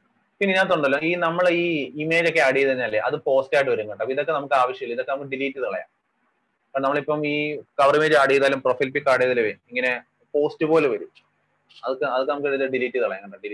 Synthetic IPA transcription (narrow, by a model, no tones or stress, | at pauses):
pinːeɲaːt̪̬ːoɳɖɐlːo̞ːiːnɐmːɐɭiːime̞ːd͡ʑo̞kːe̞ɐɽijɐðɐɲːaːlːeʔɐðɨpo̞ːstaːjʈːɨʋɐɾuŋɡɐʈːɐpːoiðo̞kːe̞nɐmukːɨaːʋɐɕjɐilːɐiðo̞kːenɐmukːɨɖiliːtːiðɐɭɐ̰ja̰ː | pɐːɳnɐmːɐɭipːɐmiːkɐʋɐrimeːd͡ʑɐɽijɐðaːlumprofilpikːaːɽijɐðɐluʋeneŋːɐne | po̞ːstɨpoːlɨʋɐɾut͡ɕːu̥ | ɐðokːɨɐðokːɨnɐmukːilileɖiliːtːiðɐɭɐjaŋːɐɳɖilː